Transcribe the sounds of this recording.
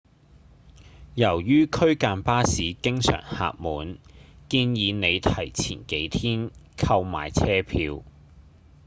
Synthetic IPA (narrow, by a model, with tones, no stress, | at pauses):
jɐ˨˩wjyː˥kʰɵ˥ɥkaː˧npaː˥siː˨˥kɪ˥ŋsœ̰ː˨˩ŋha̰ː˧k̚muː˨˧nkiː˧njiː˨˧ne˨˧jt̪ʰɐ˨˩jt͡sʰḭː˨˩nke˨˥jt̪ʰiː˥nkʰɐ˧wma̰ː˨˩jt͡sʰɛː˥pʰiː˧w